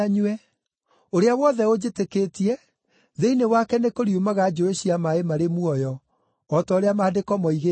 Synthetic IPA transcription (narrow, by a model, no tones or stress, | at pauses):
ɲwɛ | oɾeawɔðɛod͡ʑeteketiɛ | ðeinewakɛnekoɾiumaɣad͡ʒoeɕiamaemaɾemuɔjɔː | taoɾeamaːdekɔmɔiɣe